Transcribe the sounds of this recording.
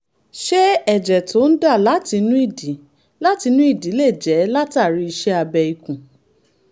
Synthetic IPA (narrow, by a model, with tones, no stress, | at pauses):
ʃe˦ɛ˦˨d͡ʒɛ˨tʰo˨˦n̩˦da˦˨la˦ti˧nũ˦i˦˨di˨˦ | la˦ti˧nũ˦i˦˨di˨˦le˦˨d͡ʒɛ˨˦la˦ta˦˨ɾi˧˦i˧ʃɛ˦a˧bɛ˧i˨kũ˨